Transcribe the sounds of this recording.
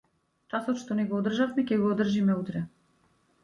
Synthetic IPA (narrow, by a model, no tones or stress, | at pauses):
t͡ʃasɔt̪ʃt̪ɔnɛɡɔːd̪r̩ʒafmɛkʲɛɡɔːd̪r̩ʒimɛut̪ɾɛ